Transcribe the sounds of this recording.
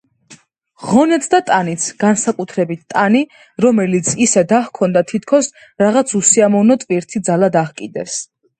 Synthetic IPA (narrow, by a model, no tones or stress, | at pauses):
ʁɔnɛt̪sʰd̪at̪ʼanit̪sʰɡ̥ansakʼut̪ʰɾɛbit̪̚ʰt̪ʼani | ɾɔmɛlit̪sʰisɛd̪ahkʰɔnd̪at̪ʰit̪ʰkʰɔs | ɾaʁat̪sʰusiamɔvnɔt̪ʼviɾt̪ʰid̪zalad̪aχkʼid̪ɛs